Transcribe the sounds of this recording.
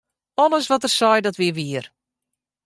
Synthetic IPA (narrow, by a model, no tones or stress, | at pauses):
ɔnəsʋɔtərsɔjdɔtʋiəʋiər